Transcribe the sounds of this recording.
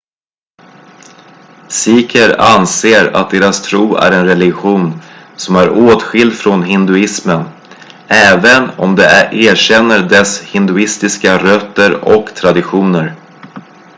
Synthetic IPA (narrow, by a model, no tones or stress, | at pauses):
siːkʰəɾa̰nseːɾa̰t̪̚d̪eːɾast̪ʰɾuːæ̰ɾɛnɾɛlɪɧuːn | sɔmæɾoːt̪ɧɪld̪fɾonɦɪnd̪ɵɪsmən | ɛːvənɔmd̪ɛʔeːɕɛnːəɖɛshɪnd̪ɵɪst̪ɪskaɾœt̪ːəɾɔ̰kt̪ʰɾad̪ɪɧuːnəɾ